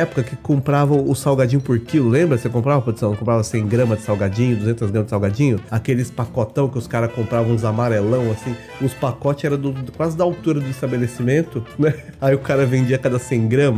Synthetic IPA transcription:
ɛpʊkɐkɪkõmpɾavɐ̃ʊsawɡad͡ʒĩɲjʊpoɾkilʊlẽmbɾɐsekõpɾavɐpɾosɐ̃kõpɾavɐsẽj̃ɡɾɐ̃mɐzd͡ʒɪsawɡad͡ʒĩɲʊd̪uzẽnt̪ɐzɡɾɐ̃mɐzd͡ʒɪsawɡad͡ʒĩɲʊakelɪspakɔt̪ɐ̃w̃kɪʊskaɾɐkõmpɾavɐ̃w̃ʊzamaɾelɐ̃w̃asĩ | ʊspakɔt͡ʃɪzɛɾɐ̃d̪ʊkwazɪd̪ɐawt̪uɾɐd̪ʊist̪abelesimẽnt̪ʊnɛ | aiʊkaɾɐvẽnd͡ʒiɐakad̪ɐsẽj̃ɡɾɐ̃mɐ

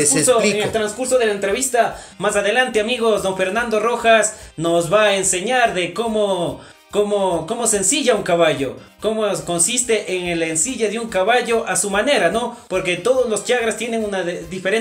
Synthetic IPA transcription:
soeŋelt̪ɾanskuɾsoðe̞laent̪ɾeβist̪a | masaðe̞lant̪eamiɣo̞zd̪o̞ŋfe̞ɾnãnd̪o̞ro̞xasnozβaːense̞ɲaɾðe̞ko̞mo | komoko̞mo̞sensiʝauŋkaβaʝo̞̰ | ko̞moko̞nsist̪e̞ʔeŋelensiʝeðeuŋkaβaʝo̞ʔasumane̞ɾano̞po̞ɾke̞t̪o̞ðozlo̞st͡ʃaɣɾast̪je̞ne̞ŋunaððife̞ɾe

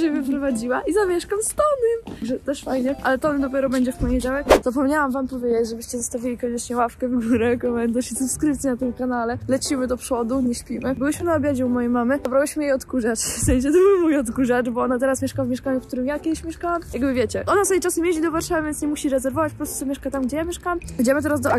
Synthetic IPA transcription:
ʐɛvɛpɾɔvad͡ʑiwaʔizamʲjɛʂkamst̪ɔnɛmɡʐɛt̪ɛʂfajɲɛʔalɛt̪ɔnd̪ɔpʲjɛɾɔbɛɲd͡ʑɛfpɔɲed͡ʑawɛkzap̬ɔmɲawamvampɔvʲjed͡ʑet͡ɕʐɛbɘɕt͡ɕɛzɔst̪avʲilʲikɔɲɛt͡ʂɲɛwafkɛvɡuɾɛkɔmɛnd̪ɔɕisupskɾɘp̚t̪sʲjinat̪ɨmkanalɛlɛt͡ʂimɘd̪ɔpʂɔd̪uɲɛɕpʲimɘbɨwɘɕmɘnaɔbʲjad͡ʑɛumɔjejmamɘabɾawɘɕmɘjejɔt̪kuʐat͡ʂfsɛ̃ɲ̃ɕ̬ɛt̪ɔbɘwmujɔt̪kuʐaʈ͡ʂbɔɔnat̪ɛɾasmʲɛʂkawvmʲjɛʂkaɲukt̪uɾɘmjakʲɛd̪ɪɕmʲɛʂkawamjaɡbɘvʲjet͡ɕɛʔɔnasjit͡ʂasɛmʲjeʑid̪ɔvaɾʂavɨvʲjɛnsɲɛmuɕiɾɛzɛɾvɔvat͡ɕpɔpɾɔst̪u̥t͡s̪ɔmʲɛʂkat̪amɡd͡ʑɛjamʲjɛʂkawamid͡ʑɛmɘt̪ɛɾazd̪ɔa

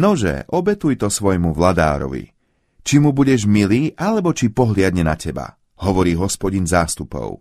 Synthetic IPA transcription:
nɔʒɛ̰ʔɔbɛt̪ujt̪ɔsʋɔjmuʋlad̪a̰ːɾɔ̰ʋḭ | t͡ʃimubuɟɛʒmiliːʔalɛbɔt͡ʃipɔɦlɪad̪ɲɛnacʰɛba̰ | ɦɔʋɔɾiːɦɔspɔɟinzaːst̪upɔ̰ʊ

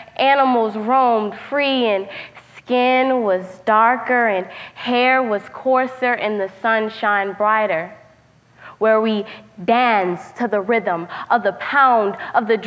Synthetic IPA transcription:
ʔænəml̩ˠzɹõʊ̃md̥fɹiɨ̃nskɪ̃nwʌzdɑɹkə˞ɨ̃nhɛɹwʌz̥kʰɔɹsə˞ʔɨ̃nðɨsʌ̃nʃãɪ̃nbɹaɪɾə˞ | wə˞widæ̃nstʰɨðəɹɪðə̃mʔʌvðəpʰãʊ̃ndʌvðɨd

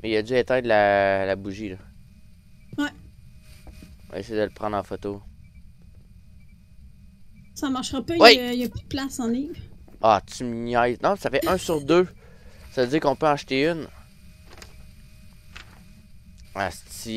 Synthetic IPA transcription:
mɛijəd͡zyet̪ɛ̃d̪lalabuʒilə | wɛ | ɔ̰̃ḛsɛjd̪əlpʁɑ̃d̪ʁɑ̃fɔt̪o | samaʁʃʁɐpɔjwijəpyd̪̚plasɑ̃liːvɑt͡symɲajznɔ̃safɛʔœ̃syʁd̪ø | savød͡zɪːʁkɔ̃pøɑ̃ʃt̪eyn | a̰st͡si

